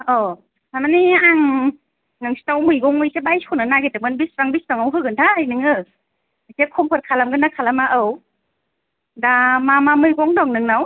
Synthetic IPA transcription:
ɔ | amaniaŋ | nɯŋsi̥tawmɯjɡɔŋɯjsebajskʰɔnɯnaɡetamɯnbisɾaŋbispaŋawɦɯɡɯntʰajnɯŋɯ | asekʰɔmpʰɔɾ̚kʰalamɡɯnakʰalamaʔɯw | damamamɯjɡɔŋdɔŋnɯŋnaw

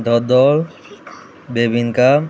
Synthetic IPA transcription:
d̪ʱɔd̪ɔl | bebinka

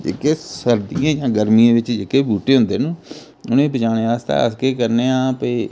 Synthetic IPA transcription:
d͡ʒḛːkeːsəɾd̪iãːd͡ʒãːɡəɾmijãːʋɪt͡ʃd͡ʒeːkeːbuːʈeːɦʊ̃nd̪eːnũː | ʊnẽːbət͡ʃaːneːaːst̪a̰ːə̰skeːkəɾneːãːpəiː

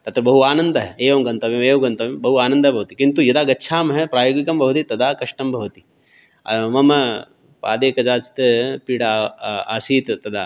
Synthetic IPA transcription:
t̪ɐt̪ɾɐbɐɦuaːnɐnd̪ɐɦɛeːʋɐmɡɐnt̪ɐʋemeːʋuɡɐnt̪ɐʋembɐɦuaːnɐ̃nd̪ɐɦbɐʋɐt̪ikint̪ujɐd̪aːɡɐtːʃʰaːmɦɛpɾaːjoːɡikɐmbɐʋɐt̪it̪ɐd̪ʱaːkɐʂʈɐmbʱɐʋɐt̪i̥ | ɐ̰ʋɐmɐ | pa̰ːd̪eːkɐd͡ʒaːt͡ʃt̪ɐpiːɽaaːsiːt̪t̪ɐd̪ʱa̰ː

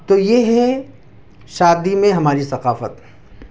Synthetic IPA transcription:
t̪ojeɦɛ | ʃaːd̪imẽɦɐmaːɾisɐqaːfə̰t̪

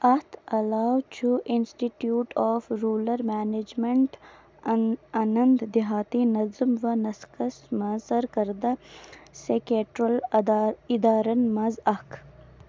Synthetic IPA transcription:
ɐht̪ɐlaːwt͡ʃʰuʔɪnsʈiʈjuːʈʰɔːfɾuːlɐɾmaned͡ʒmeɳʈ | anɐnd̪d̪ɪɦaːt̪inɐzmʋɐnɐskɐsmɐzɐɾkɐɾd̪asekeʈɾɐl | ɪd̪aːɾɐnmɐzɐk

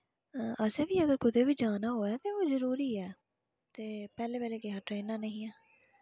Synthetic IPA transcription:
ʔəsẽːʋiːəɡəɾkʊd̪eːʋiːd͡ʒaːnaːɦoːɛːt̪eːoːzəɾuːɾiːɛː | t̪eːpɛːleːpɛːleːkeɦaːʈɾeːnaːnəɦĩːɛː

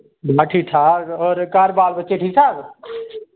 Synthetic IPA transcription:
baʈʰiʈ̪ʰaːɡɔːɾkaːɾbaːlbətːt͡ʃeʈʰiːsʰaːɡ

